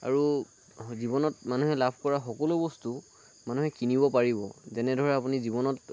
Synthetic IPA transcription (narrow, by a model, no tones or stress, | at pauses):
a̰ɹu | zibɔnɔt̚manuɦɛlabʱkɔɹaxɔkɔlubɔstu | manuɦɛkinibɔpaɹibɔzɛnɛdʱɔɹɛapunizibɔnɔt